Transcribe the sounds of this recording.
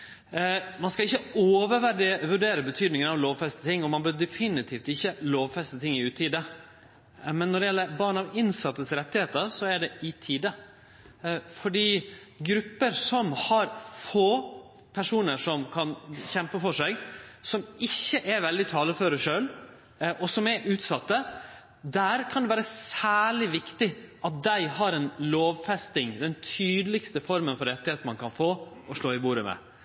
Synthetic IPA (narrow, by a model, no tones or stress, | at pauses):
mɑnskɑɪçːəoːʋəɾʋæɾɖ̪ɪʋʉɖeːɾəbət̪ʰyːd̪nɪŋənɑʋloːʋfɛst̪ə̥t̪ʰɪŋːɔmɑnbœd̪ɛfɪnɪt̪ʰiːft̪ɪçːəloːʋfɛst̪ət̪ʰɪŋːɪʉːt̪iːd̪ə | mɛnːɔɖɛjɛlːəɾbɑɳɑʋɪnsɑt̪ːəsɾɛt̪ːɪheːt̪əɾsɔæɖɛʔɪt̪ʰiːd̪ə | fɔɖiːɡɾʉpːəɾsɔmhɑɾfoː | pʰæʂuːnəʂɔmkʰɑnçɛmpəfɔʂæɪɡsɔmɪçːəʔɛʋɛld̪ɪt̪ʰɑːləføɾəʂøːl | ʔɔsɔmɛʔʉːt̪sɑt̪ːə | d̪æɾkʰɑnd̪ɛʋæːɾəsæːɭɪʋɪkt̪ɪʔɑt̪̚d̪æɪhɑɾɛnloːʋfɛst̪ɪŋd̪ɛnt̪ʰyːd̪əlɪkst̪əfɔɾmənfɔɾɾɛt̪ːɪheːt̪n̩mɑnkɑnfoːɔʂɭoːɪbuːɾəmɛ̰